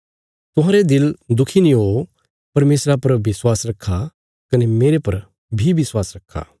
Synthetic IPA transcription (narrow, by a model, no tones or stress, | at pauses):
t̪ʊɦãːɾed̪ɪld̪ʊkʰinĩɦo | pɐɾmeːsɾapɐɾʋɪswaːsɾɐkʰːa | kɐnemeːɾepɐɾ | bʱiʋɪswaːsɾɐkʰːa̰